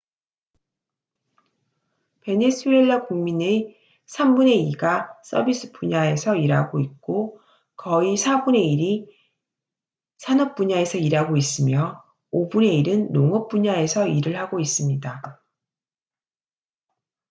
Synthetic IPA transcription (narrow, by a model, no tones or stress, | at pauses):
pe̞nesʰue̞ɭːakuŋmine | sʰambune̞iɡas͈ʰʌbis͈ʰɯ̥puɲae̞sʰʌiɾaɡoit̚k͈o | kʌisʰabune̞iɾi | sʰanʌp̚p͈uɲae̞sʰʌiɾɦaɡois͈ɯmjʌ | obune̞iɾɯnːoŋʌp̚p͈uɲae̞sʰʌiɾɯɭhaɡois͈ɯmɲida